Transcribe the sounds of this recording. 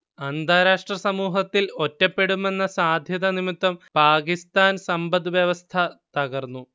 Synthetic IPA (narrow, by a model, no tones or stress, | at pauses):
ɐnd̪ʱaːɾaːʂʈrɐsɐmuːɦɐt̪ːilo̞tːɐpːe̞ɽume̞nːɐsaːd̪ʱjɐðɐnimit̪ːwɐmpaːkist̪aːnsɐmbɐd̪ʋjɐʋɐst̪ʰɐt̪ɐɣɐrnːu